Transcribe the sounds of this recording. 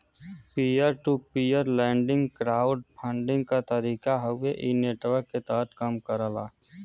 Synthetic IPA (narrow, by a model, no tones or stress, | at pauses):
pijəɾʈupijəɾlɛ̃ːɳɖɪ̃ŋɡkɾaːʊɖpʰə̃ɳɖɪ̃ŋɡkat̪əɾiːkaɦəweʔineːʈʋəɾkːet̪aːɦt̪kəmkəɾəla̰ː